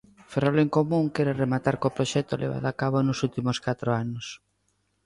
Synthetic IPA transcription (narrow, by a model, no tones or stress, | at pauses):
feroleŋkomũŋkɛɾeremat̪aɾkopɾoʃɛt̪olʔḛβ̞a̰ðoakaβonʊsult̪imoskat̪ɾoanos